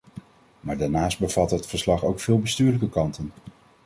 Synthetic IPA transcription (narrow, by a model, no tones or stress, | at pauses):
maːɹdaːɹnaːsd̚bəv̥ɑtɦətfəɹslɑχowkfɪːlˠbəstyːɹləkəkɑntən